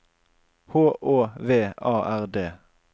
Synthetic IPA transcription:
hoːʔoːʋeːʔɑːʔæʁd̪eː

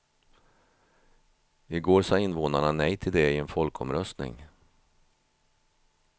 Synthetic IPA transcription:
ɪɡoːɾʂɑɪnvoːnaɳanɛjt̪ʰɪld̪ɛɪɛnfɔlkɔ̰mɾœst̪nɪ̰ŋ

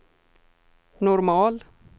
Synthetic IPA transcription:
nɔɾmɑːl

